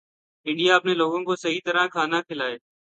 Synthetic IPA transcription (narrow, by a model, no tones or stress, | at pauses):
ɪɳɖijaːəpneːloːɡõːkoːsəɦiːt̪əɾãːkʰaːnaːkʰɪlaːeː